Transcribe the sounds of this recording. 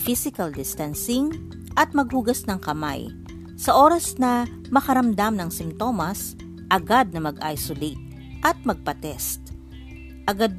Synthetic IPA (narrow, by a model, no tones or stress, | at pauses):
fisɪkɐld̪ɪst̪ɐnsɪŋ | ʔɐt̪̚mɐɡ̚huɡɐsnɐŋkɐma̰j | sɐʔo̞ːɾɐsnɐ | mɐkɐɾɐmd̪amnɐŋsɪmt̪o̞mɐs | ʔɐɡad̪̚nɐmɐɡʔa̰jsʊlit̪̚ | ʔɐt̪̚mɐɡ̚pɐt̪ɛst̪ | ʔɐɡad̪̚